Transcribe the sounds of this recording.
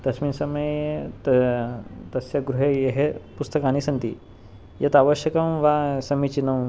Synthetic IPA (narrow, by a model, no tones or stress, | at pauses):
t̪ɐsmiːnsɐmɐjt̪ | t̪ɐsjaɡɾuɦejeɦepust̪əkañisɐnt̪i | jet̪aʋəɕjɐkɐmʋasɐmit͡ɕinɐw